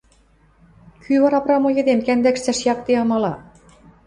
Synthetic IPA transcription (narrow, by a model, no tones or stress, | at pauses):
kʰyβɑɾɑpɾɑmojɤ̆d̪emkænd̪ækʃt̪æʃjɑk̚t̪eɑmɑlɑ